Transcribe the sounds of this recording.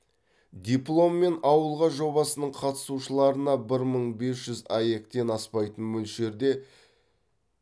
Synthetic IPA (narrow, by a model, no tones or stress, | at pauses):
d̪ʲijplˠo̞mːe̞nɑwəlˠʁɑʒo̞bɑsənəɴqʰɑt̪ə̥suʃəlˠɑɾənɑbɪɾməɴbe̞sʒ̥ʏzɑje̞kt̪e̞nɑspɑjt̪ənmɵlʃe̞ɾd̪e̞